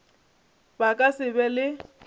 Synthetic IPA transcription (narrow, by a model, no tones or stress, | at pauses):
bakʼasɪbɛlɪ